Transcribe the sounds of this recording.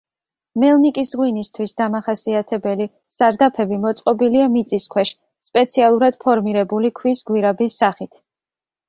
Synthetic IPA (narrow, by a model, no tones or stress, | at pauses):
mɛlˠnikʼisʁwinist̪ʰwisd̪amaχasiat̪ʰɛbɛli | z̥aɾd̪apʰɛbimɔt̪sʼqʼɔbiliamit̪sʼiskʰwɛʃ | spʼɛt̪sʰialˠuɾad̪̥pʰɔɾmiɾɛbulikʰwisɡwiɾabisːaχit̪ʰ